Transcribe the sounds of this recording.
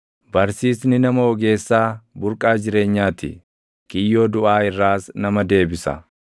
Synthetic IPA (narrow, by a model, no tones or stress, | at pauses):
bɐɾsiːsnɪnɐmɐɔɡe̞ːsːaːbʊɾkʼaːd͡ʒɪɾe̞ːɲːaːt̪ɪ̰ | kɪjːo̞ːd̪ʊʔaːɪrːaːsnɐmɐd̪e̞ːbɪsɐ̰